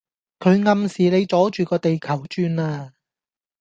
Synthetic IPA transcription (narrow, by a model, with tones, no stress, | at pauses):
kʰɵ˨˧˥ɥŋɐ˨˧msiː˨le˨˧jt͡sɔː˨˥t͡ʃyː˨kɔː˧t̪e˨jkʰɐ˨˩wt͡ʃyː˧naː˧